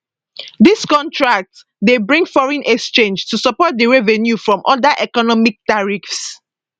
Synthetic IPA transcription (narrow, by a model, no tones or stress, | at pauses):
diskɔ̃ntʰɹak̚t | debɹĩŋɡfɔɹɛ̃nʔɛkst͡ʃẽnd͡ʒtusɔpɔt̚dəɹevɛnjufɹɔ̃mʔɔdaʔɛkɔnɔmik̚taɹifs